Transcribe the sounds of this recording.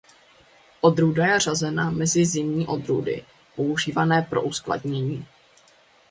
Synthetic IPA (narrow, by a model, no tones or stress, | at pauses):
ʔo̞d̪ɾudajɛr̝azɛnamɛzɪzɪmɲiːʔo̞d̪ɾṵdɪ̰ | po̞uʒiːvanɛːpɾo̞ʔuskla̰dɲɛɲiː